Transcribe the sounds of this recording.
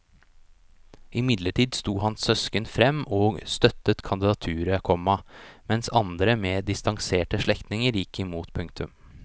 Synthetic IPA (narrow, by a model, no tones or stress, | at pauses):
ɪmɪd̪ləʈʰiːd̪st̪uːhɑnsœskənfɾɛmːoːst̪œt̪ːət̪kʰɑnd̪ɪd̪ɑt̪ʰʉːɾəkʰɔmːɑmɛnsɑnd̪ɾəmeːd̪ɪst̪ɑŋseːʈəʂɭɛkt̪nɪŋəɾjɪkːɪmuːt̪pʰʉŋk̚t̪ʉm